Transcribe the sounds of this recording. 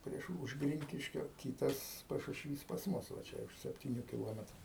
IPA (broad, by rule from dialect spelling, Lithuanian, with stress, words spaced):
ˈpʲrʲiɛʃ ʊʃ ˈɡrʲɪŋʲkʲɪʃʲkʲoː ˈkʲiːtɐs pɐʃʊʃʲˈʋʲiːs pɐs ˈmʊs ʋɐ ˈt͡ʃʲɛ ʊʃ sʲɛpʲtʲɪˈnʲuː kʲɪˈlˠoːmʲɛtrʊ